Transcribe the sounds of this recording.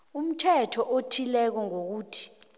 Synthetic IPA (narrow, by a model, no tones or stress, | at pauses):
um̩tʰɛtʰɔʔotʰilɛk̬ɔŋok̬uːtʰi̥